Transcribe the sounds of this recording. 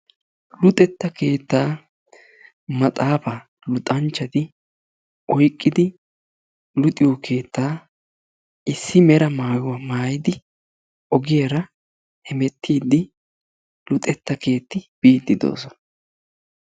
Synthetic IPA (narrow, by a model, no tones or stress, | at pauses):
lʊt̪ʼɛt̪ːɐke̞ːt̪ːaː | mɐt̪ʼaːfɐ | lʊt̪ʼɐnt͡ʃːɐd̪ɪ | ʔɔjkʼːɪd̪ɪ | lʊt̪ʼɪjwɔke̞ːt̪ʰːaː | ʔɪsːɪmɛɾɐmaːjʊwɐmaːjɪd̪ɪ | ʔɔɡɪjaɾɐ | hɛmɛt̪ʰːiːd̪ɪ | lʊt̪ʼɛt̪ːɐke̞ːt̪ːɪb̥iːt̪ːɪd̪o̰ːsɔnɐ